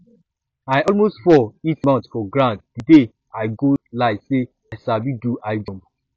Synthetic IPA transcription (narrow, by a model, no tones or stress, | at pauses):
ajɔlmostfɔitmãntfɔɡɹãntd̥ide | aɪɡolaɪse | ajsabiduʔaɪd͡ʒɔ̃m